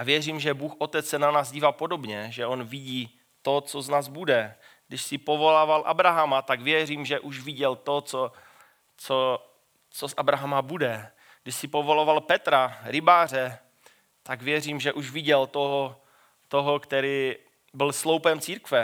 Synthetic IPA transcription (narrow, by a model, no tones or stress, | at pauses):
ʔavjɛriːmʒɛbuːxʔot̪ɛt͡ssɛnanaːzɟiːvaːpodo̞bɲɛʒɛo̞nvɪɟiː | t̪ot͡soznaːzbudɛ | ɡdɪʃsɪpovo̞laːvalʔa̰bɾaɦamat̪aɡvjɛriːmʒɛʔuʃvɪɟɛlt̪o̞t͡so | t͡so | t͡sosʔabɾaɦamabudɛ | ɡdɪʃsɪpovo̞lovalpɛt̪ɾaɾɪbaːr̝ɛ | t̪aɡvjɛr̝iːmʒɛʔuʃvɪɟɛlt̪oɦo | t̪oɦokt̪ɛɾiː | bɪlslowpɛmt͡siːɾkvɛ